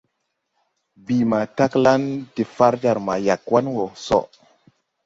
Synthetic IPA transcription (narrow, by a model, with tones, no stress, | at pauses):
bi˨ma˨ta˦kla˦nti˨fa˦ɾd͡ʒa˨ɾma˨ja˨kwa˦nwo˨sɔ̰˨ʔ